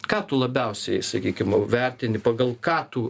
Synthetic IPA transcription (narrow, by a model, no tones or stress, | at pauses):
kɑːt̪ʊlˠɐbʲɛʊsʲɛɪsɐkʲiːkʲɪmʋʲɛrʲt̪ʲɪnʲɪpɐɡɐlˠkɑːt̪u